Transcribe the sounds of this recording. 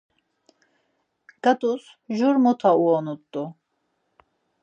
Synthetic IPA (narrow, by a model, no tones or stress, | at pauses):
ɡ̥at̪ʼus | ʒuɾmɔt̪ʰauɔnut̪ʼːu